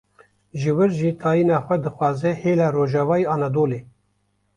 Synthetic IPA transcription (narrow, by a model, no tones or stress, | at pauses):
ʒɨwɨɾʒit̪ʰɑːjiːnɑːxʷɛd̪ɨxʷwɑːzɛheːlaːɾoːʒɑːvɑːjɑːnɑd̪oːleː